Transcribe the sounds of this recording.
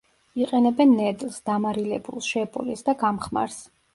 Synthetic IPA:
iqʼɛnɛbɛnːɛd̪lˠsd̪̥amaɾilɛbṵlˠʃɛbʼṵlisd̪aɡamχma̰ɾs

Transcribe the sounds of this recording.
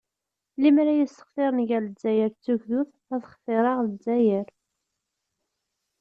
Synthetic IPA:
limɾæjəsə̥χfeɾˤnʝæləd͡zːæjəɾt͡sːuʝðuθ | æθəχfɪɾˤɑʁləd͡zːæjəɾ

